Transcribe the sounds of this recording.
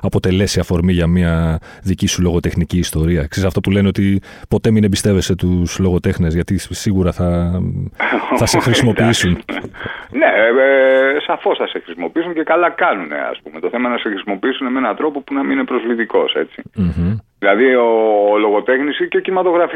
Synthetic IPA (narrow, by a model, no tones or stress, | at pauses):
ɐpo̞t̪e̞le̞siɐfo̞ɾmiʝɐmiɐ | ðicisulo̞ɣo̞t̪e̞xniciːst̪o̞ɾiɐksesɐft̪opule̞neot̪i | po̞t̪e̞minebist̪e̞ve̞se̞t̪uslo̞ɣo̞t̪e̞xnezʝɐt̪isiɣuɾɐθɐ | θɐsexɾisimo̞iisun | ne | sɐfo̞sθɐsexɾisimo̞piisuɲce̞kɐlɐkɐnune̞̰ɐ̰spume̞t̪o̞θe̞mɐnɐsexɾisimo̞piisunemenɐt̪ɾo̞po̞punɐmiine̞pɾozvlit̪iko̞se̞t͡sim̩ç̩ðilɐðioːlo̞ɣo̞t̪e̞xnisiceocinimɐt̪o̞ɣɾɐf